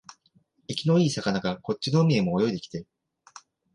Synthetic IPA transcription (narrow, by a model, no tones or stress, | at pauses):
ikʲino̞iːsakanaɡako̞t͡ɕːino̞ɯmʲie̞mo̞ːjo̞id̪e̞kʲi̥t̪e̞